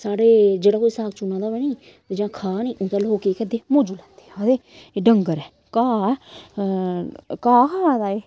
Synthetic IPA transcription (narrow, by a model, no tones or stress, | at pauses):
saːɽeːd͡ʒeːɽaːkoːiːsaːɡt͡ʃunãːd̪aːʋɛːniː | d͡ʒãːkʰaːniːʔʊ̃t̪ɛ̃ːloːkeːkɛd̪eːmõːd͡ʒuːlɛ̃ːnd̪eːad̪eː | ɖəŋɡəɾɛː | kaː | kaːkʰaːaːd̪aːeː